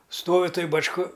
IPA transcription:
ˈstoːʋʲɪ ˈtoːj bɐt͡ʃˈkɐ

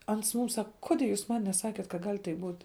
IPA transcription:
ˈɐns ˈmʊm ˈsɑːkɐ ˈkoːdʲeː juːs ˈmɐn nʲɛˈsɑːkʲeːt kɐt ɡɐlʲ tɐɪp buːtʲ

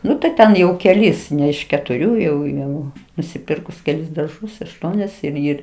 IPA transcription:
ˈnʊ tɐɪ ˈtʲɛn jɛʊ kʲɛˈlʲɪs ˈnʲɛ ɪʃ kʲɛtʊˈrʲuː jɛʊ ˈjɛʊ nʊsʲɪˈpʲɪrkʊs kʲɛˈlʲɪs dɐrˈʒʊs ɐʃˈtuɔnʲɛs ɪr ˈɪr

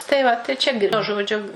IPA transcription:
tɐɪ ˈʋɐ tɐɪ ˈt͡ʃʲɛ ˈʒoːd͡ʒʲʊ

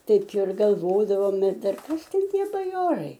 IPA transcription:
ˈtɐɪp ɪr ɡɐlˠˈʋoːdɐʋoːm ɪr ˈdɐr ˈkɐs ˈtʲɛn ˈtʲiɛ bɐˈjoːrɐɪ

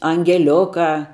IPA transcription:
ɐŋʲɡʲɛˈlʲʊkɑː

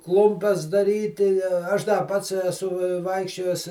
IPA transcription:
ˈklˠʊmʲpʲɛs dɐˈrʲiːtʲɪ ˈɐʃ dɐ ˈpɐts ɛˈsʊ ˈʋɐɪkʃʲt͡ʃʲoːjɛs

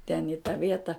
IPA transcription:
tʲɛn ɪ tɐ ˈʋʲiɛtɐ

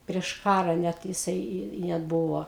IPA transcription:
pʲrʲiɛʃ ˈkɑːrɐ nʲɛt jɪˈsɐɪ ɪ ɪ ˈnʲɛt bʊʋoː

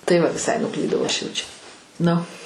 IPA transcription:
tɐɪ ˈʋɐ ʋʲɪˈsɐɪ nʊˈklʲiːdɐʊ ˈɐʃ ˈjɛʊ t͡ʃʲɛ ˈnʊ

